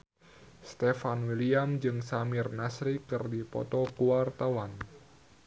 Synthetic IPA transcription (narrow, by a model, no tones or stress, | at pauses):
st̪efanwiliamd͡ʒɨŋsamirnasɾikɨrdipɔ̰t̪ɔkuwart̪awan